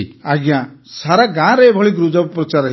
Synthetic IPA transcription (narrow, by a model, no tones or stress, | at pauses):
aɡjãsaɾaɡãɾeebʱɔɭiɡɾud͡ʒɔbpɾɔt͡ʃaɾɦ